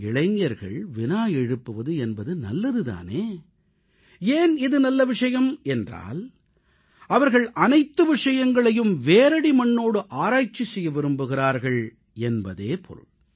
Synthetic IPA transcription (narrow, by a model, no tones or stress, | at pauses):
ɪɭɐɪŋːɐɾɣɐ̰ɭʋɪnaːjɛɻɯpːɯʋɐðɯɛnbɐðɯnɐ̰lːɐðɯða̰ːneː | eːnɪðɯnɐlːɐʋɪʂɐjɐmɛndra̰ːl | ɐʋɐɾɣɐɭʔɐnɐɪt̪ːɯʋɪʂɐjɐŋɡɐɭɐjɯmʋeːɾɐɽimɐɳːoːɽɯʔaːɾaːt͡ʃːisɛjːɐʋɪɾɯmbɯɣɪraːɾɣɐɭ | ɛnbɐðeːpʰɔ̰ɾ